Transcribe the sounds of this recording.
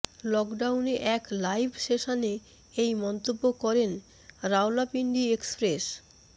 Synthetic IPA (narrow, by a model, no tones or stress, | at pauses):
lɔkɖawneʔɛklajbʱʃeʃane | ejmɔnt̪obːokɔɾen | ɾawlapiɳɖiekspɾes